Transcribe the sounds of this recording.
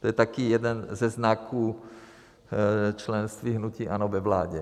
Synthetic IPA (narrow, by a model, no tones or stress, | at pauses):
t̪ojɛt̪akijɛdɛnzɛznakʰuː | t͡ʃlɛnst̪viːɦnuciːʔanovɛvlaːɟɛ